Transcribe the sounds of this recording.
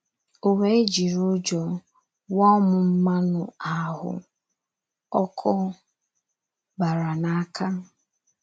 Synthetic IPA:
ʊ˨we˦e˦d͡ʒi˨ɾu˦d͡ʒɔ˨ | wɔ˦mʊ˨m̩˦ma˦nʊ˨a˨ɦʊ̰˨ | ɔ˦kʰʊ˦ | ba˨ɾa˨na˨a˦kʰa˦

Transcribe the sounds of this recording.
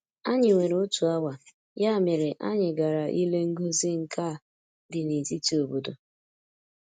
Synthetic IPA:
a˦ɲɪ˨ŋe˨ɾʊ˦tu˨a˦wa˨ | ja˦˨mɪ˨ɾɪ˨ʔa̰˦ɲɪ˨ɡa˨ɾa˨ʔi˦le˦ŋ̩˦ɡu˦zi˦ŋ̩˨ka˦˨ | dɪ˨ni˨ti˦ti˦o˨bo˨do˨

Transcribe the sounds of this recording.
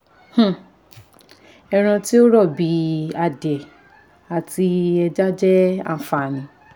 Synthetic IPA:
h̩˦˨ | ɛ˧ɾ̃ã˧ti˦o˦ɾɔ˦˨bi˨˦a˧dɛ˨ | a˨ti˧ɛ˧d͡ʒa˦d͡ʒɛ˦a̰˦˨fa˨nĩ˧˦

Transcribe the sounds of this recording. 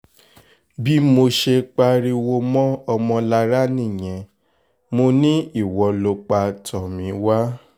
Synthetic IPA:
bi˦mo˧ʃe˧k͡pa˧ɾi˧wo˧mɔ̃˦ɔ˧mɔ̃˧la˧ɾa˦nĩ˦˨j̃ɛ̃˧ | mo˧nĩ˦i˦˨wɔ˨˧lo˧k͡pa˧tʰɔ˨mĩ˨˦wa˦

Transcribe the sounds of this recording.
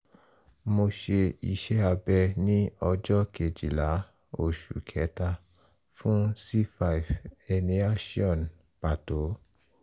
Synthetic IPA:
mo˧ʃe˧i˧ʃɛ˦a˧bɛ˧nĩ˦ɔ˧d͡ʒɔ˦ke˨d͡ʒi˨la˨˦ | o˦˨ʃu˨kʰɛ˨˦ta˧ | fũ˦si˦fa˨i˨vɛ˧nĩ˧˦a˦ʃi˦ɔ̃˨n | pa˨to˨˦

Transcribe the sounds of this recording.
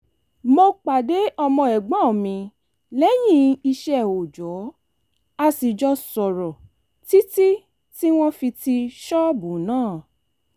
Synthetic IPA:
mo˧k͡pa˨de˨˦ʔɔ˧mɔ̃˧ɛ˨ɡ͡bã˨˦˨mĩ˧ | lɛ˦j̃ĩ˦i˧ʃɛ˧˦˨o˨d͡ʒɔ˨˦ | a˧si˨d͡ʒɔ˧sɔ˨ɾɔ˨ | ti˦ti˦ | ti˦w̃ɔ̃˦fi˧ti˧ʃɔ˦bũ˨˦nãː˦˨

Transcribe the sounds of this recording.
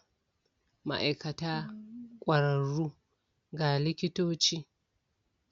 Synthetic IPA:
ma̰˨ʔa˨jkɐ˨taː˦kʷʼɐ˨ɾɐ˨ɾːu˦ | ɡa˨lɪ˦kʲɪ˦toː˦t͡ʃiː˦

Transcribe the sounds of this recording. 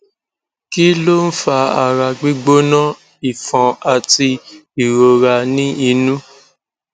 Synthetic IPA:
ki˦lo˦n̩˦fa˧a̰˨ɾa˨ɡ͡bi˦ɡ͡bo˦nã˦ | i˨fɔ̃˨a˨ti˧i˨ɾo˨ɾa˨˧nĩ˦i˧nũ˦

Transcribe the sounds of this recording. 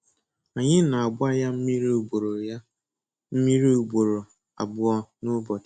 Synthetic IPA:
a˨ɲɪ˦na˨a˨ɡ͡bʷa˦ja˦m̩˦mi˦ɾbo˨ɾo˨ja˦ | m̩˦mi˦ɾe˦u˨bo˨ɾo˨ | a̰˨bʊ˦ɔ˦nʊ˦bɔ˨t

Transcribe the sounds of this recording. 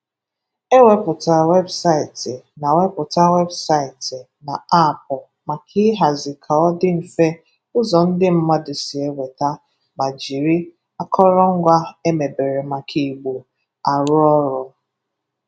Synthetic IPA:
e˦we˦pʊ˨ta˨we˦bsa˦ɪ˨tɪ˨na˨we˦pʊ˨ta˦we˦bsa˦ɪ˨tɪ˨ | na˨a˦˨pɔ˨ | ma˨kʰi˦ɦa˨zɪ˨kʰa˨ɔ˦dɪ˦n̩˨fe˦ | ʊ˦zɔ˨n̩˦dɪ˦m̩˦ma˦dɪ˨sɪ˨e˦wʷe˨ta˦ | ma˨d͡ʒi˨ɾi˦ | a˦kʰɔ˦ɾɔ˦ŋ̩˦ɡʷa˦e˦me˨be˨ɾe˨ma˨kʰi˨ɡ͡bu˨ | a˨ɾʊ˦ɔ˦ɾɔ˦

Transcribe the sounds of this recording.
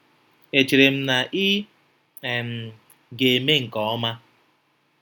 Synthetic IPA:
e˨t͡ʃi˨ɾe˨m̩˦na˨ʔi˦˨ | m̩˨ | ɡe˨me˦ŋ̩˨kɔ˨˦ɔ˦ma˦

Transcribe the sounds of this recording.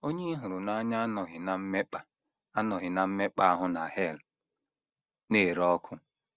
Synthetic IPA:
o˦ɲe˦ɦʊ˨ɾʊ˨na˦ɲa˦nɔ˨ɦɪ˨na˨m̩˦me˦k͡pa˦ | a˦nɔ˨ɦɪ˨na˨m̩˦me˦k͡pa˦a˦ɦʊ˦na˨he˦˨l | neː˦˨ɾɔ˦kʰʊ˦

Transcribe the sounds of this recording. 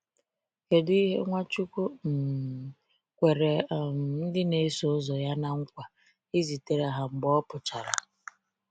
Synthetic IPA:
ke˨dʊ˦i˦ɦḛ˦ŋʷa˦t͡ʃu˦kʷu˦n̩˨ | kʷe˨ɾe˨m˨n̩˦dɪ˦ne˨˦so˦zɔ˨ja˦na˦ŋ̩˦kʷa˨ | i˦zi˨te˨ɾa˨ɦa˨ŋ͡m̩˨ɡ͡bɔ˦pʊ˨t͡ʃa˨ɾa̰˨

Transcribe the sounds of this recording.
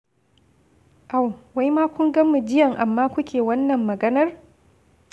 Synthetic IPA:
ʔa˨wwa˦jmaː˦kʷʊ˦ŋɡɐ˦mu˨d͡ʒɪ˦jɐ˨ŋʔa˨mːaː˦kʷʊ˦kʲʰeː˨wɐ˦nːɐ˨mːɐ˨ɡɐ˦nɐ˦r

